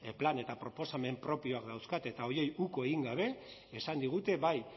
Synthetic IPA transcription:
plane̞t̪apɾo̞po̞same̞mpɾo̞pio̞akd̪awskat̪e̞t̪ao̞ɾje̞juko̞eɣiŋɡaβe̞ | esand̪iɣ̞ut̪e̞βaj

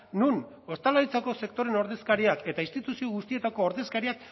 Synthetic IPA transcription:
nun | o̞st̪alaɾit͡sako̞se̞kt̪o̞ɾe̞no̞ɾðe̞skaɾiake̞t̪ainst̪it̪usio̞ɣust̪ie̞t̪ako̞ːɾðe̞skaɾiak̚

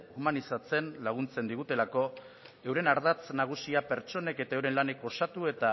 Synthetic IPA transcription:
umanisat͡se̞nlaɣ̞unt͡se̞nd̪iɣ̞ut̪e̞lako̞ | e̞wɾe̞naɾðat͡snaɣ̞usiape̞ɾt͡ʃo̞ne̞ke̞t̪aewɾe̞nlane̞ko̞sat̪ue̞t̪a

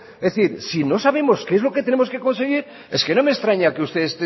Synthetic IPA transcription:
eθiɾsino̞saβ̞e̞mo̞skeezlo̞ke̞t̪e̞nemo̞skeko̞nse̞ɣ̞iɾ | e̞ske̞no̞me̞st̪ɾaɲakeust̪e̞est̪e

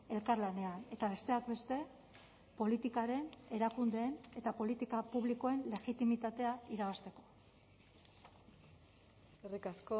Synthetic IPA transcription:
e̞lkaɾlane̞ane̞t̪aβe̞st̪e̞ak̚be̞st̪e̞ | po̞lit̪ikaɾe̞ne̞ɾakund̪e̞ːne̞t̪apo̞lit̪ikapuβliko̞e̞nle̞ɣit̪imit̪at̪e̞aiɾaβast̪e̞ko̞ | erikasko

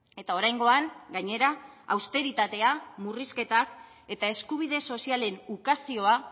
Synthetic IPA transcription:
e̞t̪ao̞ɾajŋɡo̞aŋɡaɲe̞ɾaːwst̪e̞ɾit̪at̪e̞amuriske̞t̪ak | e̞t̪ae̞skuβ̞ið̞e̞so̞siale̞nukasio̞a

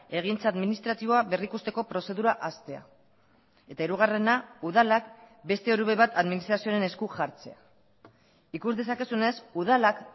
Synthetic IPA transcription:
e̞ɣ̞int͡saðminist̪ɾat̪iβo̞aβe̞rikust̪e̞ko̞pɾo̞se̞ðuɾaʔast̪e̞a̰ | e̞t̪aiɾuɣare̞nauð̞alak | be̞st̪e̞oɾuβe̞βat̪aðminist̪ɾasioɾe̞ne̞skuʝaɾt͡se̞̰a | ikuzðe̞sake̞sune̞suð̞alak

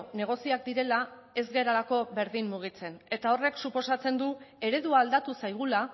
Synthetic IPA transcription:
ne̞ɣ̞o̞siakd̪iɾe̞lae̞zɣe̞ɾalako̞βe̞ɾðimmuɣ̞it͡se̞ne̞t̪ao̞re̞ksupo̞sat͡se̞nd̪ue̞ɾe̞ðuaːld̪at̪usajɣ̞ula

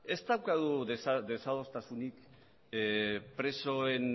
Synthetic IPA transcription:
e̞st̪awkaðuðesðe̞saðo̞st̪asunik | pɾe̞so̞en

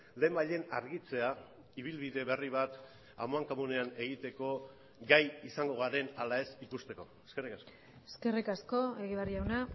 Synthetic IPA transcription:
le̞ːmbaʎe̞naɾɣit͡se̞a | iβ̞ilβiðe̞βe̞riβ̞at̪ | a̰moaŋkamune̞ane̞ɣ̞it̪e̞ko̞ | ɡajisaŋɡo̞ɣaɾe̞nalae̞sikust̪e̞ko̞eske̞rikasko̞ | eske̞rikasko̞e̞ɣiβariawna

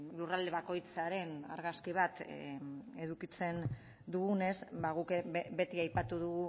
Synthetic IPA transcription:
lurald̪e̞βako̞jt͡saɾe̞na̰ɾɣaskiβ̞at̪ | e̞ðukit͡se̞n | d̪uɣune̞zbaɣukbe̞t̪iajpat̪uðuɣu

